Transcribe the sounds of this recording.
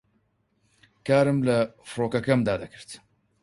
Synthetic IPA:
kaːɾɨmlɐfɨɾoːkɐkɐmd̪aːd̪ɐkʰɨ̥ɾt̪

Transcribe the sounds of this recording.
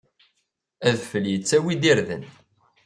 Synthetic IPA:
æðfəljət͡sːæwid̪iɾðə̰n

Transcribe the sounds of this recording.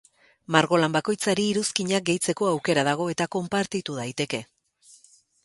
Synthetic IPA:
maɾɣo̞lambako̞jt͡saɾiːɾuskiɲak̚ɡe̞jt͡se̞ko̞awke̞ɾað̞aɣ̞o̞e̞t̪ako̞mpaɾt̪it̪uðajt̪e̞ke̞

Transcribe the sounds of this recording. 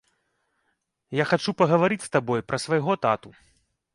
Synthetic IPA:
jaxat͡ʂupɐɣɐvaɾɨt͡sʲst̪abɔjpɾʔɐsvajɣɔt̪at̪u

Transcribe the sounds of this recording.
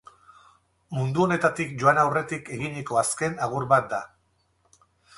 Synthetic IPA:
mund̪uo̞ne̞t̪at̪ikʝo̞anawre̞t̪ike̞ɣiɲiko̞aske̞naɣ̞uɾbat̪̚d̪a

